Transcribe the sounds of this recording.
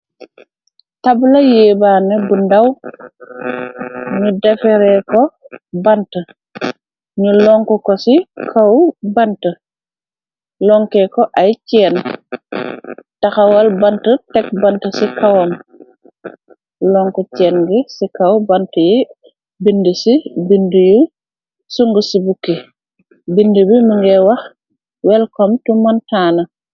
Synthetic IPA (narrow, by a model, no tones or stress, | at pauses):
tablɐjɛːbaːnɛbundaw | ɲudɛfɛɾɛkɔbantə | ɲulɔŋkɔkɔsikʰawbantə | lɔŋkɛkɔʔajcɛːn | tɐxawɐlbantətɛk̚bantɐsikawom | lɔŋkɔcɛːnɡisikawbantɐji | bindəsibinduju | suŋɡəsibukːi | bindəbimiŋɡɛwɐx | wɛlkɔmtumantaːnɐ